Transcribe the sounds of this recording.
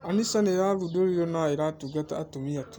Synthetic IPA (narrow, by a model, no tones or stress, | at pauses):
anisaneɾaɾudoɾiɾonaeɾatuɡataːtomiatu̥